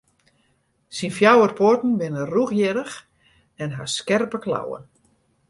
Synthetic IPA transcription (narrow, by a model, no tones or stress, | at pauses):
sinfjawərpʰortn̩ʋɪnəruxjɪɾəx | ɛnɦa̰skɛrpəkla̰wə̰n